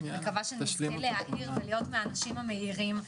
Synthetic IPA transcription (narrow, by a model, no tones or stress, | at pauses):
emkavaʃenilehaʔiʁvelijo̞tmeanaʃimame̞iʁim